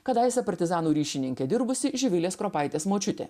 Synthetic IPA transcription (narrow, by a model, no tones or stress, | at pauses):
kɐd̪ɐɪsɐpɐɾʲt̪ʲɪzɑːnuːɾʲiːʃʲɪnʲɪŋʲkʲɛd̪ʲɪɾbʊsʲɪʒʲɪʋʲɪlʲeːskɾopɑɪt̪ʲeːsmoːt͡ʃʲʊt̪ʲḛː